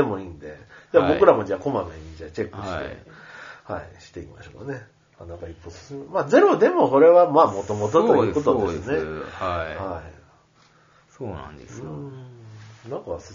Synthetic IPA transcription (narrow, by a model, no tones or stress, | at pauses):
emo̞iːnd̪e̞d͡ʑaːbo̞kɯ̟ɾamo̞d͡ʑaːko̞mamẽɲid͡ʑaːt͡ɕe̞kːɯ̟ɕi̥t̪e̞̰ | ha̰ḭɕi̥t̪e̞ima̰ɕo̞̰ːka̰ne̞ | anakaipːosɨ̥sɨmmaːze̞ɾo̞d̪e̞mo̞ko̞ɾe̞βamaːmo̞t̪o̞mo̞t̪ot̪ojɨ̟ːko̞t̪odd̪esɨneahai | soːnã̰nd̪esɯ̃ | nãŋkas